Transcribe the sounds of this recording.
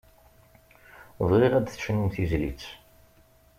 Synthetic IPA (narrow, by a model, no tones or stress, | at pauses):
ðˤʁiʁæd̪θə̥ʃnumθizlḭt͡sː